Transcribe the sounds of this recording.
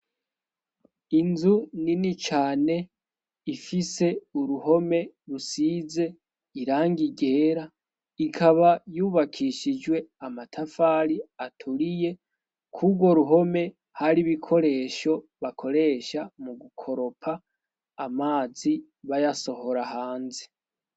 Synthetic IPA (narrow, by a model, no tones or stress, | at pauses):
inzuninit͡ʃaːne̞ | ifise̞uɾuɦo̞me̞ | ɾusiːze̞ | iɾaːŋɡiɡe̞ːɾa | ikʰaβajuːβakʰiʃid͡ʒwe̞amatʰafaːɾiatʰuɾije̞ | kʰubɡwo̞ɾuɦo̞me̞ | haɾiβikʰo̞ɾe̞ːʃo̞βakʰo̞ɾe̞ːʃamuɡukʰo̞ɾo̞pʰaː | maːzi | βajaso̞ho̞ɾahaːnze̥